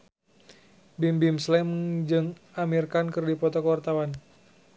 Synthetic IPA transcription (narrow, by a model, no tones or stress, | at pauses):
bimbimslɛmd͡ʒɨŋ | amirkankɨrdipɔt̪ɔkəwart̪awan